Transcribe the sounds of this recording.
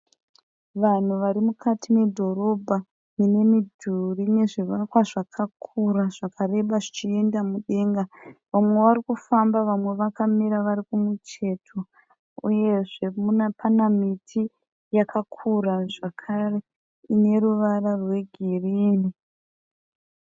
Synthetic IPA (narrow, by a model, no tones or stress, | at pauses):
ʋan̤uʋaɾimukʰatine̞dʱo̞ɾo̞bʱa | nine̞midʱurine̞ʐiʋakwaʐakʰakʰuɾaʐ̥akʰare̞ɓaʐit͡ʃie̞ndamuɗe̞ːŋɡaʋamwe̞ʋaɾikufambaʋamwe̞ʋakamiɾaʋaɾikumut͡ʃe̞tʰo̞ | ṵje̞ʐe̞munapʰanamitʰi | jakakʰuɾaʐakʰare̞ | ine̞ɾuʋararwe̞ɡʱiriːni